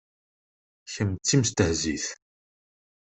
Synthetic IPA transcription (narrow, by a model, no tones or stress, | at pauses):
çəmt͡sːimst̪əhziθ